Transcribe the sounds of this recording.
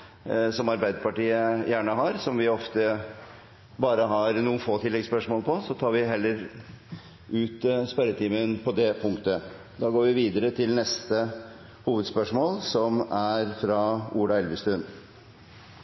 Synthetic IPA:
sɔmɑɾbæɪd̪əpɑʈiːəjæːɳəɦɑɾsɔmʋɪɔft̪ə | bɑːɾəɦɑɾnuːənfoːt̪ʰɪlːɛɡspœʂmoːlpʰɔsɔt̪ʰɑːɾʋɪɦɛlːəɾ | ʉːt̪spæɾət̪ʰiːmənpʰɔd̪ɛpʰʊŋkt̪ə | d̪ɑːɡoːɾʋɪʋiːd̪əɾət̪ʰɪlnɛst̪ə | huːʋəd̪spœʂmoːlsɔmæɾfɾɑʔuːɖɑɛlʋəst̪ɾʉn

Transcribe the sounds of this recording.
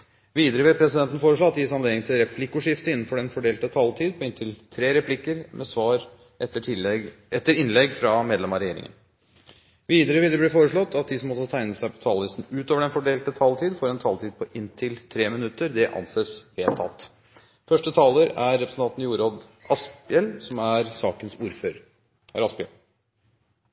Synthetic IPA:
ʋiːd̪əɾəʋɪlpʰɾɛsɪd̪ɛnt̪n̩foːɾəʂɭoɑt̪ːjɪsɑnleːd̪ɪŋt̪ʰɪlɾɛpʰlɪkːʊʂɪft̪əɪnːn̩fɔɖɛnfɔɖeːlt̪ət̪ʰɑlt̪ʰiːd̪̚pʰɔɪnt̪ʰɪlt̪ʰɾeːɾɛpʰlɪkːəɾmʔɛsʋɑːɾ | ɛə | ɛt̪ːəɾɪnlɛɡfɾɑmeːd̪lɛmɑɾɛjeːɾɪ̰ŋə̰n | ʋiːd̪əɾəʋiːd̪əɾəbliːfoːɾəʂɭɔt̪ːɑt̪̚d̪ɪsɔmːɔt̪ːət̪ʰæɪnəsæɪpʰɔ̥t̪ʰɑːlʋɪst̪n̩ʉːt̪oːʋəɖɛnfɔɖeːlt̪ət̪ʰɑlt̪ʰiːd̪foːɾɛnt̪ʰɑːlt̪iːd̪̚pʰɔʔɪnt̪ʰɪlt̪ʰɾeːmɪnʉt̪ːəɾd̪ɛʔɑ̰nseːsʋeːlt̪ʰɑ̰lt̪ | fœʂʈət̪ʰɑːləɾæɾːɛpɾsən̩t̪ɑnt̪njuːɾod̪ʔɑspɪɛlsɔmæɾsɑːkənsuːɾføːɾ | æ̰ɾɑspɪə

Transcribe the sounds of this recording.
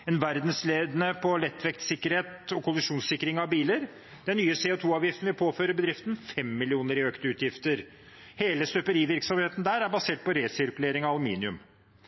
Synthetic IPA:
ɛnʋæɾd̪n̩sleːd̪ənəpʰɔlɛt̪ːʋɛkt̪sɪkːəɾheːt̪ɔkʰʊlɪʂuːnsɪkːəɾɪŋɑʋbiːləɾ | d̪̥ɛnːyːəseːʊt̪ʰuːɑːʋjɪft̪n̩ʋɪlpʰoːføːɾəbəd̪ɾɪft̪nfɛmːɪlɪuːnəɾɪøːkt̪əʉːt̪ʰjɪft̪əɾ | heːləst̪œpəɾiːʋɪɾksɔmheːt̪n̩d̪æːɾæɾbɑseːʈ̚pɔɾeːsɪɾkʉleːɾɪŋɑɑlʉmḭːnɪʉm

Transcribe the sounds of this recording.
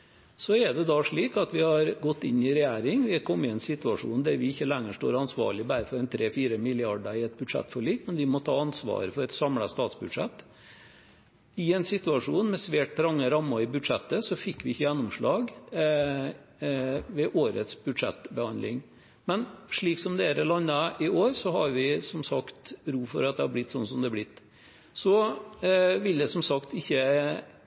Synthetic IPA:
sɔɛɖɛd̪ɑːʂɭiːkɑt̪ʋɪhɑɾɡɔt̪ːɪnːɪɾɛjæːɾɪŋʋɪkʰɔmːəɪɛnsɪt̪ʉɑʂṵːnd̪æɾʋɪɪçːəlæŋːəʂʈo̰ːɾɑnsʋɑ̰ːɭɪbæːɾəfɔɾɛnt̪ʰɾeːfiːɾəmɪlɪɑɖəɾɪɛt̪̚bʉd̪ʂɛ̰t̪ːfɔɭiːkmɛnʋɪmɔt̪ʰɑːɑnsʋɑ̰ːɾəfɔɾɛt̪sɑmlɑst̪ɑːt̪sbʉd̪ʂɛ̰t̪ː | ɪɛnsɪt̪ʉɑʂuːnmɛsʋeːʈɾɑŋːəɾɑmːəɪbʉd̪ʂɛt̪ːəsɔfɪkːʋɪɪçːəjɛnːʊmʂɭɑːɡ | ʋɛʔoːɾə̰t̪sbʉd̪ʂɛ̰t̪ːbəhɑnd̪lɪ̰ŋ | mɛnʂɭiːksɔmd̪ɛæɾɛlɑnːəʔɪoːɾsɔɦɑɾʋɪsɔmsɑkt̪ɾuːfɔɾɑt̪d̪ɛhɑblɪt̪ːsɔnːəsɔmd̪ɛːblɪt̪ː | sɔ | ʋɪld̪ɛsɔmsɑkt̪ɪçːə

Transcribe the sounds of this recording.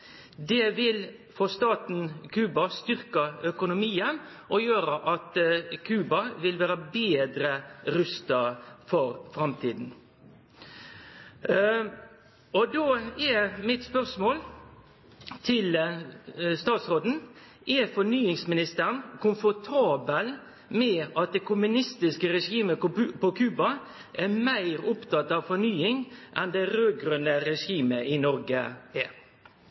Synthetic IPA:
d̪ɛʋɪl | fɔst̪ɑːt̪n̩kʰʉːbɑst̪ʏɾkəœkʊnʊmiːən | ʔɔjøːɾəʔɑt̪kʰʉːbɑʋɪlʋæːɾəbeːd̪ɾəɾʉst̪əfɔɾfɾɑmt̪ʰiːd̪n̩ | ɔd̪oːɛmɪt̪spœʁsmoːl | t̪ʰɪl | st̪ɑːt̪sɾoːd̪n̩ | ʔɛfɔnyːɪŋsmɪnɪst̪əənkʊmfɔt̪ʰɑːbəl | mɛɑt̪̚d̪ɛːkʰʊmʉnɪst̪ɪskəɾɛʂiːməpɔkʰʉːbɑ | ʔæmæɪɾʊpt̪ʰɑt̪ːɑʋfɔnyːɪŋʔɛnd̪ɛɾøːɡɾʉnəɾɛʂiːməʔɪnɔɾɡəɛɾ

